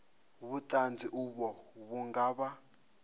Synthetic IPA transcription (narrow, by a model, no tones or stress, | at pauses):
βutʼand͡ziʔuβɔβuŋɡaːβa